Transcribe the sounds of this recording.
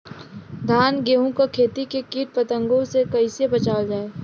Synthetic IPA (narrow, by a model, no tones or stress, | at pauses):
d̪ʱaːnɡeːɦũkokʰeːt̪ikekiːʈ̚pɐt̪ə̃ŋɡõsekɐɪsebɐt͡ʃaːld͡ʒaːeː